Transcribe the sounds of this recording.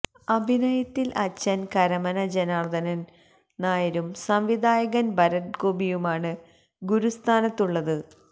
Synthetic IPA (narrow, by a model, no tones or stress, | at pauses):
ɐbʱinɐjɐt̪ːilʔɐt͡ɕːɐnkɐɾɐmɐnɐd͡ʑenaːrd̪ɐnɐn | naːjɐɾumsɐmʋid̪ʱaːjɐɣɐnbɐɾɐʈ̚koːbijumaːɳɨ | ɡuɾust̪ʰaːnɐt̪ːuɭːɐðɨ